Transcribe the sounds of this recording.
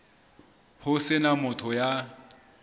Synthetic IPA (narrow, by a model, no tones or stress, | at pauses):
hʊsɪnamʊtʰɔja